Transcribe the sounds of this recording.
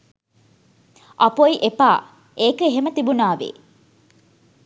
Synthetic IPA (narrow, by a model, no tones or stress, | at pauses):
ʔɐpoiʔepa̰ː | ʔeːkəɦemət̪ibunaːʋḛ